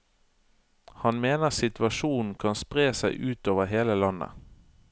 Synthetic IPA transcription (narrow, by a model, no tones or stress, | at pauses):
hɑnmeːnəʁsɪt̪ʋɑʃuːn̩kʰɑnspʁeːsæɪʔʉːt̪oːʋəɦeːləlɑnə̰